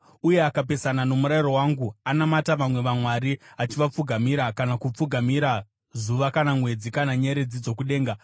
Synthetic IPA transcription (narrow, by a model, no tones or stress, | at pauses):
uje̞akap̬e̞sanano̞muɾairo̞waːŋɡuanamataʋamwe̞ʋamwaɾiat͡ʃiʋap͡fuɡʱamiɾakanakup͡fuɡʱamiɾa | zuʋakanamwe̞d͡zikanaɲeɾe̞d͡zid͡zo̞kuɗe̞ːŋɡa